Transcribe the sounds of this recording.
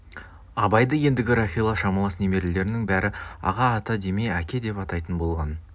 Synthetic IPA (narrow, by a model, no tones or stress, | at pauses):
ɑbɑjd̪əje̞nd̪ɪɡʲɪɾaχʲilˠɑʃɑmɑlˠɑsneme̞ɾɪld̪e̞ɾɪnɪŋbæɾʔɪɑ̰ʁɑːt̪ɑd̪e̞me̞ækʲe̞d̪e̞pɑt̪ɑjt̪ənbo̞lˠʁɑn